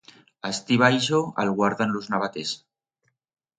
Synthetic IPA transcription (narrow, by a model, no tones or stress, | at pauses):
ast̪iβajʃoa̰lɣwaɾðanluznaβat̪es